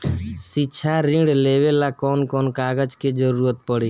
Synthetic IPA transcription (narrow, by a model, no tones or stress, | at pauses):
sɪtːt͡ʃʰaɾĩɽleːʋelakɔːnkɔːnkaːɡəd͡ʒked͡ʒəɾuːɾət̪̚pəɽiː